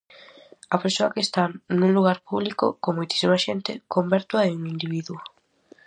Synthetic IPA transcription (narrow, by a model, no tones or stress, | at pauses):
ɐpeɾsoɐkest̪anũluɣ̞aɾpuβlikʊ̰komojt̪i̥simɐʃent̪ɪkombɛɾt̪wɐeuŋind̪iβiðuʊ